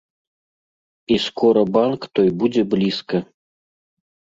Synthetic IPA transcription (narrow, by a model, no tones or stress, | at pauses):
iskʰɔɾɐbankt̪ɔjbud͡zʲɛblʲiskɐ